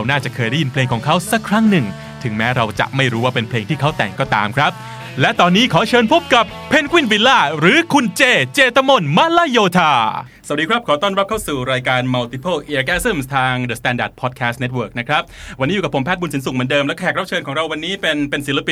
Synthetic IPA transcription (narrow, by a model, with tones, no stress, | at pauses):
ɾa˧wnaː˥˩t͡ɕa˨˩kʰɤː˧jda˥˩ji˧npʰleː˧ŋkʰɔː˩˦ŋkʰa˦˥wsa˦˥kʰːɾa˦˥ŋnɯ˨˩ŋ | t̪ʰɯ˩˦ŋmɛː˦˥ɾa˧wt͡ɕa̰˨˩ʔma˥˩jɾuː˦˥waː˥˩pe˧npʰleː˧ŋt̪ʰiː˥˩kʰa˦˥˩wt̪ɛ̰˨˩ŋkɔː˥˩t̪a̰ː˧mkʰɾa˦˥p̚ | lɛ˦˥ʔt̪ɔː˧nːiː˦˥kʰɔː˩˦t͡ɕʰɤː˧npʰo˦˥p̚ka˨˩pʰːe˧nkʰwi˥˩nbi˧laː˥˩ɾɯː˨˦kʰu˧nt͡ɕeː˧t͡ɕeː˧t̪ʰa˧˥mo˧nma˦˥laː˥˩joː˧t̪ʰaː˧ | s̚diː˧kʰɾa˦˥p̚kʰɔː˩˦t̪ɔː˥˩nɾa˦˥p̚kʰa˥˩wsuː˨˩ɾaː˧jkaː˧nma˧wt̪i˧pʰo˥˩ʔi˧ʔa˧kɛː˧˥sɯ˥˩mst̪ʰaː˧ŋdəː˨˩st̪ɛː˧ndaː˨˩t̪̚pʰɔː˨˩t̪̚kʰɛ˦˥sne˦t̪̚wɤː˥˩k̚na˦˥kʰɾa˦˥p̚wa˧niː˦˥u˨ka˩pʰːo˩˦pʰɛː˥˩t̪̚bu˧nsi˩˦nsu˨˩m˩˦ndɤː˧mlɛ˦˥kɔː˥˩ɛː˨˩kɾa˦˥p̚t͡ɕʰɤː˧nkɔː˩˦ŋɾa˧wːa˧nːiː˦˥pe˧npe˧nsi˩˦la˧pi˨